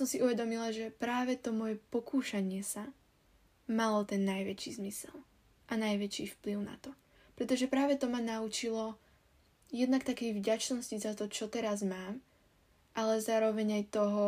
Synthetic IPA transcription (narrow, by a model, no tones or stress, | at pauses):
sɔmsiʔuʋɛd̪ɔmilaʒɛpɾaːʋɛt̪ɔmɔjɛpɔkuːʃaɲɪɛsa | malɔt̪ɛnːajʋɛt͡ʃḭzmisɛ̰lˠ | ʔanajʋɛt͡ʃiːfpliʊna̰t̪ɔ | pɾɛt̪ɔʒɛpɾaːʋɛt̪ɔmanaut͡ʃilɔ | jɛd̪nak̚t̪akɛjvɟat͡ʃnɔscizat̪ɔt͡ʃɔt̪ɛɾazmaːm | ʔalɛzaːɾɔʋɛɲajt̪ɔɦɔ